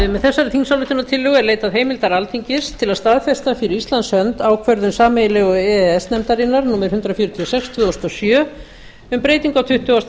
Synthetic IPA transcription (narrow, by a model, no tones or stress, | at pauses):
mɛðθɛsːaɾɪθinsawlʏht̪ʏnat̪ʰɪlːʏɣɛɾleːjt̪aðɦeːjmɪlt̪aɾalt̪ʰiɲcɪst̪ʰɪlaðst̪aðfɛst̪afɪɾɪist̪lansœnt̪aːwkʰvœɾðʏnsaːmejlɛɣɔɛɛsnɛmt̪aɾinːaɾnuːmɛɾ̥hʏnt̪ɾafjɔɾʏt̪ʰiɔsɛkst̪ʰv̥ʏːðost̪ɔsjœː | ʏmpɾeːjt̪iŋkawt̪ʰʏht̪ʏas